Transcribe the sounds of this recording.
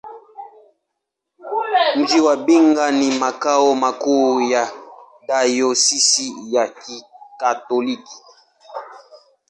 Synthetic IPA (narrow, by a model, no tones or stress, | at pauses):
ŋd͡ʒiwabiŋɡanimakawomakuja | dajosisijakikatoliki̥